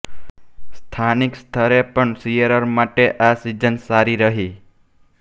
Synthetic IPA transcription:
st̪ʰanikst̪ʰəɾepəɳsijəɾəɾmaʈeʔasid͡ʒənsaɾiɾəɦi

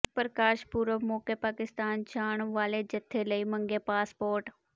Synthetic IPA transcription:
pəɾəkaːʃpuːɾəmoːkepaːkɪst̪aːnt͡ʃʰaːɳ̃ʋaːled͡ʒɐt̪ʰːeləimə̃ŋɡepaːspoːɾʈ

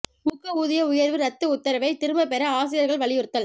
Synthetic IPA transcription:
mʊkːɐuːðɪjɐʊjɐɾʋɯɾɐt̪ːɯʊt̪ːɐɾɐʋɐɪt̪ɪɾɯmɐpɛɾɐaːs̬ɪjɐɾɣɐɭʋɐɭɪjɪɾɯt̪ːɐl

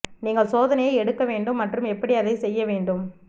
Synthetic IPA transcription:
niːŋɡɐɭsoːðɐnɐjɐɪɛɽɯkːɐʋeːɳɖɯmːɐʈrɯmɛpːɐɽiɐðɐɪsɛjːɐʋeːɳɖɯm

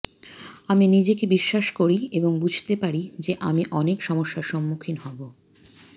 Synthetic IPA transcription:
aminid͡ʑekebiʃːaʃkoɾieboŋbud͡ʑʱt̪epaɾid͡ʑeʔamiʔɔnekʃɔmoʃːaɾʃɔmːukʰinɦɔbo

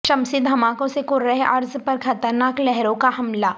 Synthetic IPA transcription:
ʃɐmsɪt̪̚d̪ʱɐmaːkõsekʊɾɐɦeʔɐɾzpɐɾxʰɐt̪əɾnaːklɛɦɾõkaɦɐmlaː

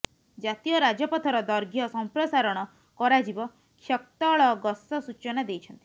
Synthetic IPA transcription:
d͡ʒat̪ijɔɾad͡ʒɔpɔt̪ʰɔɾɔd̪ɔɾɡʱjɔsɔmpɾɔsaɾɔɽ̃ɔ | kɔɾad͡ʒibɔ | kʰjɔk̚t̪ɔɭɔɡɔsɔsut͡ʃɔnad̪ejt͡ʃʰɔnt̪i

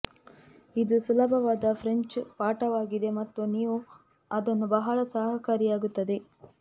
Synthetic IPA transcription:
id̪usulɐbʱɐʋaːd̪ɐpʰɾeɲt͡ʃpaːʈɐʋaːɡid̪e̞mɐt̪ːuniːʋu | ɐd̪ɐnːubɐɦɐɭɐsaːɦɐkaːɾijaːɡut̪ːɐd̪e̞

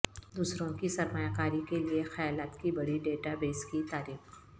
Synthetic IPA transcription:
d̪uːsɾõkisɐɾmaːjakaːɾikeliexɐjaːlaːt̪kibɐɽiɖeːʈabeːskit̪aːɾiːx

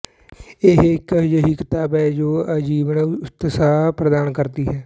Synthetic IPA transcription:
ɪɦɪkjəɦiːkɪt̪aːbɛːd͡ʒoːəd͡ʒiːʋənt̪ɪsaːpɾəd̪aːnkəɾt̪iːɦɛː

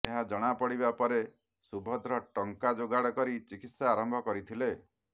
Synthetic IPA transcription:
eɦad͡ʒɔɽ̃apɔɽibapɔɾe | subʱɔd̪ɾɔʈɔŋkad͡ʒoɡaɽɔkɔɾit͡ʃikit̪saːɾɔmbʱɔkɔɾit̪ʰile

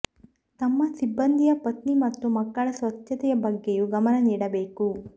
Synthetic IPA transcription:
t̪ɐmːɐsibːɐnd̪ʱijɐpɐt̪nimɐt̪ːumɐkːɐɭɐsʋɐtːʃɐt̪ɛjɐbɐɡːejuɡɐmɐnɐniːɽɐbeːku

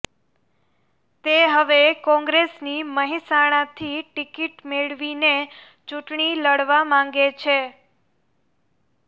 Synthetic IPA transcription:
t̪eɦəʋekɔ̃ŋɡɾesniməɦisaɽ̃ãt̪ʰiʈikiʈmeɭʋine | t͡ʃũʈɳiləɽʋamãŋ̆ɡet͡ʃʰe

